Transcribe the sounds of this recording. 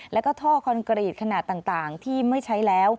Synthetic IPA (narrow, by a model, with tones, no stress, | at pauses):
lɛː˦˥wkɔː˥˩t̪ʰɔː˥˩kʰɔ˧nkɾiː˨˩t̪̚kʰa˧naː˨˩t̪ːaː˨˩ŋt̪aː˨˩ŋt̪ʰiː˥˩ma˥˩jt͡ɕʰa˦˥jlɛː˦˥w